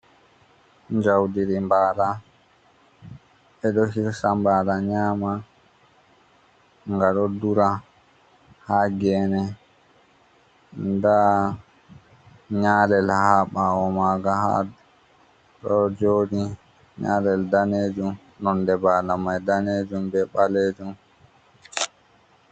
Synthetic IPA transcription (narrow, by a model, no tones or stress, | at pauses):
ɲd͡ʒawdiɾimbaːla | ɛɗɔhiɾsambaːlaɲaːma | ŋɡaɗɔduɾa | haɡɛːnɛ | nda | ɲaːlɛlhaɓaɔmaɡaha̰ | ɗɔd͡ʒoːɗi | ɲalɛldaneːd͡ʒum | nɔndɛbalamajdaneːd͡ʒumbɛɓaleːd͡ʒum